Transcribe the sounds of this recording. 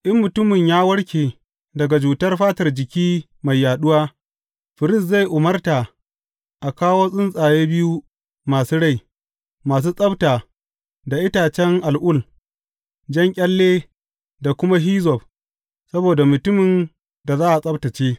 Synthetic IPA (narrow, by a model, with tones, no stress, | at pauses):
ʔɪ˦mːʊ˨tʊ˦mɪ˨ɲjaː˦wɐ˦ɽkʲeː˨ | dɐ˨ɡa˨d͡ʒuː˨tɐ˦rɸaː˦tɐ˨rd͡ʒɪ˨kʲiː˦ | ma˨jːaː˨ɗʊ˦waː˦ | ɸɪ˨ɾɪ˦s̬za˦˨jʔʊ˨mɐ˦rta˨ | ʔa˨kaː˦woː˦sʼɪ˦nsʼaː˨jeː˦bɪ˦ju˦ | maː˨suː˦ɽa˦˨j | maː˨s̬uː˦sʼɐ˦btaː˨ | da˨ʔɪ˦taː˨t͡ʃɛ˦ŋʔa˨lʔʊ˦˨l | d͡ʒɐ˦ŋkʲʼɐ˦lːeː˦ | da˨kʷʊ˦ma˦ɦiː˦zɔ˨b | sɐ˦boː˨da˨mʊ˨tʊ˦mɪ˨n | da˨zaː˦ʔa˨sʼɐ˦btɐ˨t͡ʃeː˦